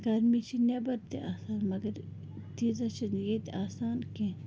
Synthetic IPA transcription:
kaɾmit͡ʃʰinebɐɾt̪eʔaːsaːnmɐɡɐɾ | t̪iːzɐt͡ʃʰɐnjet̪ʔaːsaːnke

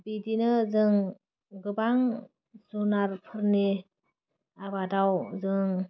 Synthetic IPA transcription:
bidinɯzɯŋ | ɡɯbaŋ | zunaɾpʰɯɾni | abadawzɯŋ

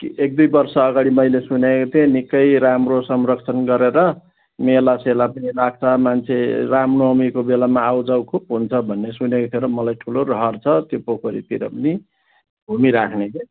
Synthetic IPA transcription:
kiek̚d̪ujbʌrsʌːɡaɽimʌjlesunekot̪ʰenikʌjɾamrosʌmrʌkt͡sʰʌnɡʌɾeɾʌ | melaselapʌnilaɡ̚t͡sʰʌmant͡sʰeramnomikobelamaːwd͡zawkʰupɦunt͡sʰʌbʱʌnːesunekot̪ʰjeɾʌmʌlajʈʰulorʌɦʌrt͡sʰʌt̪jopokʰoɾḭt̪iɾʌ̰pʌni | bʱumiɾakʰneke

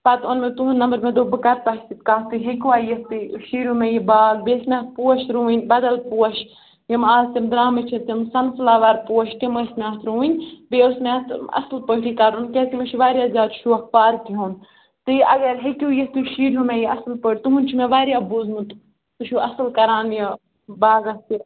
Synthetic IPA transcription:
pɐt̪onmet̪uɦunnɐmbəɾmẽd̪obɨkɐɾt̪at̪it̪kaːst̪ɨɦekʲuwaːjist̪ɨʃiːɾʲumẽjibaːlbeːsmʲat̪̚puːɐʃɾuːinʲbɐd̪ɐlpuɐʃ | jimaːzt̪imd̪ɾaːmɨt͡ʃʰit̪imsɐnslaːʋaɾpuwɐʃt̪imɐsmʲaːt̪ʰɾuːinʲbeːusmʲat̪ɐ̰slpəɦʈikɐɾunket̪imeʃʰiʋaːɾjaːzʲaːd̪ʃʰuɐkpaːɾkiɦuːn | t̪ɨɐɡɐɾɦekʲujist̪iʃiːɾumẽjiɐslpəɽʲt̪uɦunʲt͡ʃʰimẽʋaːɾjabuzmut̪ | t̪uʃʰuɐslkɐɾaːnji | baːɡɐst̪i

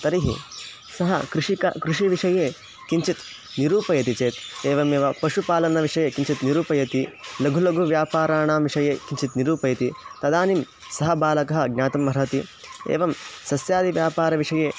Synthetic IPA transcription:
t̪ɐɾiɦḭ | sɐɦɐkɾuʂikɐ̰kɾuʂiʋiʂɐjeː | kiɲt͡ʃit̪ | niɾuːpɐjɐt̪it͡ʃeːt̪eːʋɐmeːʋɐpɐʂupaːlɐnɐʋiʂɐjeːkiɲt͡ʃit̪niɾuːpɐjɐt̪ilɐɡʱulɐɡʱuʋjaːpaːɾaːɳaːmʋiʂɐjeːkiɲt͡ʃit̪niɾuːpɐjɐt̪it̪ɐd̪aːnim | sɐɦɐbaːlɐkɐɦɐ̆ɡ̚nʲaːt̪ɐmːɐɾɐt̪i | ḛːʋɐmsɐsjaːd̪iʋjaːpaːɾɐʋiʂɐjeː

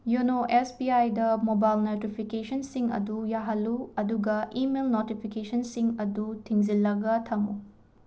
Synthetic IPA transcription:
junoʔespiajdɐmobajlnɐtipʰikesɐnsiŋɐ̰dujaɦɐlːuɐduɡɐʔimelnotipʰikesɐnsiŋɐdutʰiŋzilːɐɡɐtʰɐmṵ

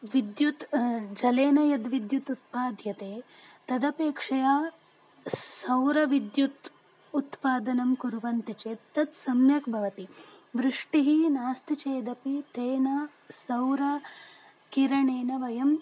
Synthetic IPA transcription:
ʋid̪jut̪d͡ʒɐleːnɐjɐd̪ʋid̪jut̪ut̪̚paːd̪ʱjɐt̪eːt̪ɐd̪ɐpeːkʂɐjaː | sɐwɾɐʋid̪jut̪ | ut̪paːd̪ɐnɐmkuɾʋɐnt̪it͡ʃeːt̪ːɐt̪sɐmjɐkbʱɐʋɐt̪iʋɾuʂʈiɦinaːst̪it͡ʃeːd̪ɐpit̪eːnɐ | sɐwɾɐ | kiɾɐɳeːnɐʋɐjɐm

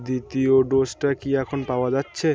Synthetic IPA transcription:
d̪it̪ioɖosʈakiɛkʰonpaoad͡ʑatːɕʰe

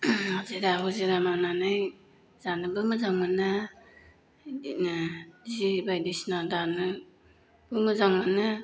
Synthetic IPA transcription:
azeɾaɦuzeɾamananaj | zanɯbɯmɯzaŋmana | zibajdisnadanɯ | b̥ɯmɯzaŋmana

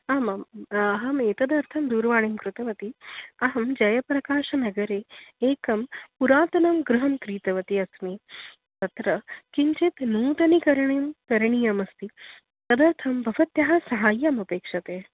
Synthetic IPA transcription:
ɐmamɐɦɐmeːt̪ɐd̪ɐɾt̪ʰɐmd̪uːɾʋaːɳ̃emkɾut̪ɐʋɐt̪iɐɦɐmd͡ʒɐjɐpɾɐkaːʂɐnɐɡɐɾeːeːkɐmpuɾaːt̪ɐnɐmɡɾuɦɐmkɾiːt̪ɐʋɐt̪iɐsmiː | t̪ɐt̪ɾɐkiɲt͡ʃet̪nuːt̪ɐnikɐɾɳemkɐɾɳijɐmɐst̪i | t̪ɐd̪ɐɾt̪ʰɐmbʱɐʋɐt̪jɐɦasɐɦaːjːɐmɐpeːkʂɐt̪eː

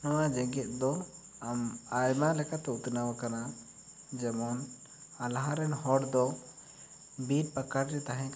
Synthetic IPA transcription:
nɔwad͡ʒɛɡɛt̪̚ˀd̪ɔ | amajmalɛkat̪ɛut̪nawakana | d͡ʒɛmɔn | alɦãɾɛnhɔɽd̪ɔ | biʈ̚pakaɾɾɛt̪aɦɛ̃k

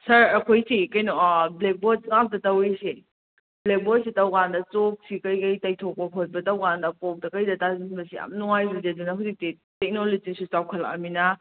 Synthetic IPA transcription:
sɐɾɐkʰojsikɐjnɔblek̚bot̚ŋak̚dɐtɐwese | blek̚bot̚sitɐwɡandɐt͡ʃok̚sikɐjkɐjtɐjtʰok̚pɐɦʰot̚bɐtɐwɡandɐkok̚dɐkɐjdɐtazibɐsija̰mnuŋajbɐzedunɐɦuzik̚ti | tek̚nolizisut͡ʃawkʰɐlɐ̰minɐ

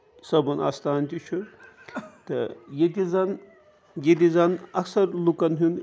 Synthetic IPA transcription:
sɐbɐna̰st̪aːnt̪ʲit͡ʃʰu | t̪ɐ̰jet̪ʲizɐn | jet̪izɐnɐksɐɾlukɐnɦun

